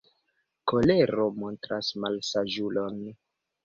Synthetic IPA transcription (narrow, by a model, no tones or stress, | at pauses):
ko̞leɾo̞mo̞ntɾasmalsad͡ʒulo̞n